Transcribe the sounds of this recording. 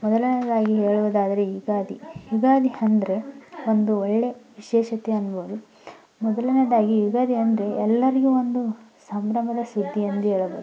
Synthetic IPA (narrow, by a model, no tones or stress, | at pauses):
mɔd̪ɐlɐnɐd̪aːɡiɦeːɭuʋɐd̪aːd̪ɐɾe̞ɦiɡaːd̪iiɡaːd̪iɐnd̪ɐɾe̞ond̪uɔɭːe̞ʋiʃɛːʃɐt̪eɐnːɐboːd̪u | mɔd̪ɐlɐnɐd̪aːɡiɦiɡaːd̪iɐnd̪ɐɾe̞ɛlːɐɾiɡuond̪usɐmbɾɐmɐd̪ɐsud̪ʱːiɐnd̪uɦeːɭɐboːd̪u